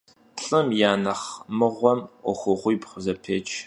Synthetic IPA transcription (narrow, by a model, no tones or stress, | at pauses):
ɬʼɨmjaːnɐχmɨʁʷɔmɔχʷʊʁʷʊjpχʷʊzɐpʰeːt͡ʃʰʼ